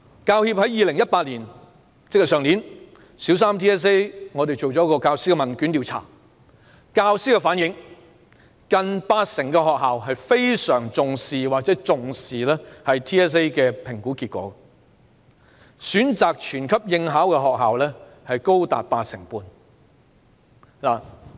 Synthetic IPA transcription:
kaː˧whiː˧p̚hɐ˨˥jːiː˨˧lɪ˨˩ŋjɐ˥t̚paː˧t̚liː˨˩n | t͡sɪ˥k̚jɐ˨˩sœː˨ŋliː˨˥n | siː˨˥wsaː˥mt̪ʰiː˥ɛː˥s̬e˥jŋɔ˨˧t̪e˨jt͡ʃo˨wt͡ʃɔː˨˥kɔː˧kaː˧wsiː˥kɛ˧mɐ˨nkyː˨˥nt̪iː˨˧wt͡sʰa̰ː˨˩ | kaː˧wsiː˥kɛ˧faː˨˥njɪ˨˥ŋ | kɐ˨npaː˧t̚sɪ˨˩ŋkɛː˧ɦɔː˨k̚ɦaː˨wɦɐ˨jfe˥jsœː˨˩ŋt͡sʊ˨ŋsiː˨˩waː˨k̚t͡sɛː˨˥t͡sʊ˨ŋsiː˨lɛ˥hɐ˨jt̪ʰiː˥ɛː˥s̬e˥jkɛː˧pʰɪ˨˩ŋkuː˨˥kiː˧t̚kʷɔ̰ː˨˥ | syː˨˥nt͡saː˨k̚t͡ʃʰyː˨˩nkʰɐ˥p̚jɪ˧ŋɦaː˨˥wkɛː˧ɦɔː˨k̚ɦaː˨wlɛː˥hɐ˨jko˥wt̪a̰ː˨t̚paː˧t̚sɪ˨˩ŋpuː˧n | laː˨˩

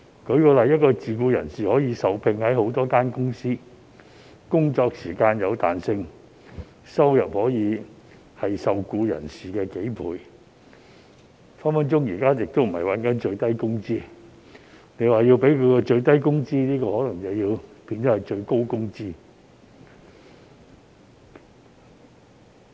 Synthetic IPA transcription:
kʰɵ˨˧˥ɥkɔː˧lɐ˨jɐ˥t̚kɔː˧t͡siː˨kuː˧jɐ̰˨˩nsiː˨hɔː˨˥jiː˨˧sɐ˨wpʰɪ˧ŋhɐ˨˥jho˨˥wt̪ɔː˥kaː˥nkʊ˥ŋsiː˥ | kʊ˥ŋt͡ʃɔː˧k̚siː˨˩kaː˧njɐ˨˧wt̪a̰ː˨nsɪ˧ŋ | sɐ˥wjɐ˨p̚hɔː˨˥jiː˨˧ | hɐ˨jsɐ˨wkuː˧jɐ̰˨˩nsiː˨˩kɛː˧ke˨˥jpʰṵː˨˧j | fa˥nfɐ˨˥nt͡ʃʊ˥ŋjiː˨˩kaː˥jɪ˨k̚t̪o˥wm̩˨˩hɐ˨˩jwɐ˨˥nkɐ˨˥nt͡ʃɵ˧ɥt̪ɐ˥jkʊ˥ŋt͡siː˥ | ne˨˧jwaː˨jiː˧wpe˨˥jkʰɵ˨˧ɥkɛ˧t͡ʃɵ˧ɥt̪ɐ˥jkʊ˥ŋt͡siː˥niː˥kɔː˧hɔː˨˥lɐ˨˩ŋt͡sɐ˨wjiː˧wpiː˧nt̪ɔ˨˥hɐ˨˩jt͡ʃɵ˧ɥko˥wkʊ˥ŋt͡siː˥

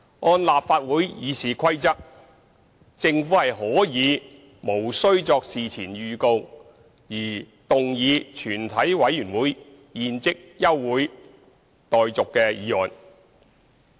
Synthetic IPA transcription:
ŋɔː˧nlaː˨p̚faː˧t̚wuː˨˥jjiː˨˧siː˨˩kʰɐ˥jt͡sɐ˥k̚ | t͡sɪ˧ŋfu˨˥hɐ˨jɦɔː˨˥jiː˨˧ | mo˨˩wsɵ˥ɥt͡sɔː˧k̚siː˨t͡sʰiː˨˩nɥyː˨ko˧w | jiː˨˩ | t̪ʊ˨ŋjiː˨˧t͡ʃʰyː˨˩nt̪ʰɐ˨˥jwɐ˨˥jyː˨˩nwuː˨˥j | jiː˨˧nt͡sɪ˥k̚jɐ˥wːwuː˨˥j | t̪ɔː˨jt͡sʊ˨kːɛː˧jiː˨˧ɔː˨n

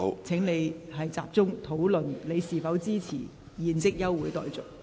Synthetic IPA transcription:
t͡sʰɪ˨˥ŋne˨˧jɦɐ˨jt͡sa̰ː˨p̚t͡sʊ˥ŋt̪ʰo˨˥wlɵ˨nle˨˧jsiː˨fɐ˨˥wt͡siː˥t͡sʰiː˨˩ | jiː˨nt͡sɪ˥k̚jɐ˥wːuː˨˥jt̪ɔ̰ː˨jt͡sʊ˨˩k̚

